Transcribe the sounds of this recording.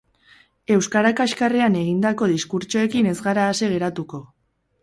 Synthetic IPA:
e̞wskaɾakaʃkareane̞ɣ̞ind̪ako̞ðiskuɾt͡ʃoe̞kine̞zɣaɾaːseɣ̞e̞ɾat̪uko̞

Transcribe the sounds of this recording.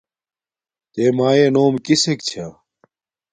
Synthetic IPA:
t̪eːmaːeːnoːmkisekt͡ɕʰaː

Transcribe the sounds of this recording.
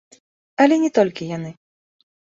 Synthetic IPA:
ɐlʲɛnʲɛt̪ɔlʲkʲijanɨ

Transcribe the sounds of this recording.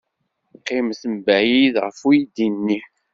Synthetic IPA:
qːɪmθəmbæjiðʁəfujid̪inːi

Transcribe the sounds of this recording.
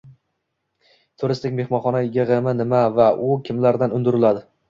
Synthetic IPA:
t̪ʰʊɾɪst̪ɪkʲme̞hmɒnχɒnaɪɡʲaʁemɪnɪmavaʔʊkʲʰɪmlaɾd̪anʊnd̪ɪɾɪlad̪ɪ

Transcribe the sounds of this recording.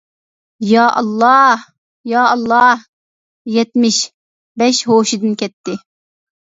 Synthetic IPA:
jɑːʔɑ̰lˠːɑ | jɑːɑlˠːɑh | jɛt̪mɪʃ | bɛʃɦoːʃid̪ɨnkʲʰɛt̪ʰːɪ

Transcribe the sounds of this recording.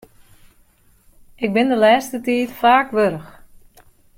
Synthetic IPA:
ɪk̚bɪndəlɛːstətiːtfaːkʋøɾəx

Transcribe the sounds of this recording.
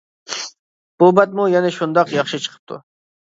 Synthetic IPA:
b̥obat̪̚mujaneʃund̪ɑqjɑχʃɨt͡ʃʰə̥qʰə̥p̚t̪ṵ

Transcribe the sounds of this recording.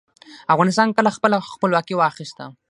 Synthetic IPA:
afɣɑnɪst̪ɑnkəlaxpəlaxpəlwɑkiwɑxɪst̪a̰

